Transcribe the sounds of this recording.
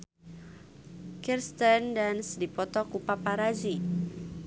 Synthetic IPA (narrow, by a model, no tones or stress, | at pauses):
kirst̪əndansdipɔt̪ɔkupapaɾazi